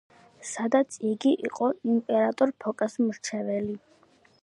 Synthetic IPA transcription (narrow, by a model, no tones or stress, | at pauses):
sad̪at̪sʰiɡiʔḭqʼɔimpʼɛɾat̪ʼɔɾpʰɔkʼasmɾt͡ʃʰɛvɛli